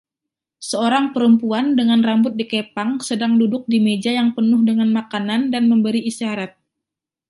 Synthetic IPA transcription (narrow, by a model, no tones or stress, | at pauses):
səoɾaŋpəɾəmpuandəŋanrambʊt̪̚dikepaŋsədaŋdudʊk̚dimed͡ʒajaŋpənʊhdəŋanmakanandanməmbəɾiːsaɾat̪̚